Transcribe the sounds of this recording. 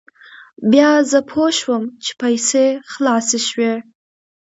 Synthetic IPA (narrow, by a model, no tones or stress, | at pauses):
bjɑzəpʰoʃwəmt͡ʃʰe̥pʰajseχlɑseʃwe